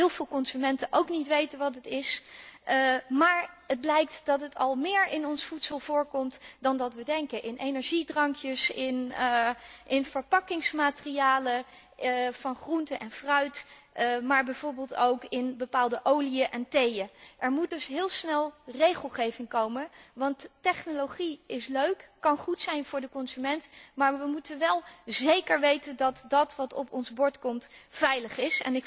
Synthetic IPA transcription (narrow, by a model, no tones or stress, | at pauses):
ɦɪːlˠvɪːlˠkɔnzymɛntəʔowknitʋejtənʋɑtətɪs | maːɹ | əd̚blɛjk̚tdɑtɦətʰɑ̰lˠmɪːɹɪnɔnsfutsəlˠv̥ʊːɹkɔmtdɑndɑtʋədɛŋkəʔɪnʔejnɛɹʒidrɑŋkjəsɪn | ʔɪnvəɹpɑkɪŋsmaːtərijaːlə | vɑnχruntəʔɛnfrœɥt | maːɹbɛjv̥oːɹbɪːlˠtowkɪnbəpaːlˠdəʔowliəʔɛntejəʔɛɹmut̚dɵsɦɪːlˠsnɛlˠrejχəlˠχejvɪŋkowməʋɑntːɛχnolowχiɪsløɥkːɑnχutsɛjnvʊːɹdəkɔnzymɛntmaːɹʋəmutənʋɛlˠzejkəɹʋejtəndɑtdɑtʋɑtɔpɔnzbɔɹtkɔmtfɛjləχɪsɛ̰nɪ